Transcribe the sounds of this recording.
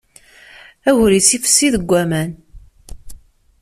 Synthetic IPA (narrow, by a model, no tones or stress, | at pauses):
æʝɾit͡sːifə̥sːiðəɡʷːæmæn